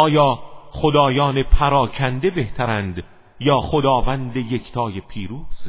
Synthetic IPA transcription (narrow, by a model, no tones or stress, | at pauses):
ɒːjɒːχod̪ɒːjɒːnepʰæɾɒːcʰænd̪e̞be̞ht̪ʰæɾænd̪ | jɒːχod̪ɒːvænd̪eje̞kʰt̪ʰɒːjepʰiːɾuːz̥